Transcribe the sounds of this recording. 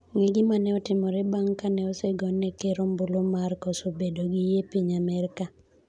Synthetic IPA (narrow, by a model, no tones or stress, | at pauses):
ŋiɡɪmanɛɔtɪmɔɾɛbaŋkanɛɔseɡɔnɛkeɾombulomarkɔsobedoɡɪjepiɲamɛɾka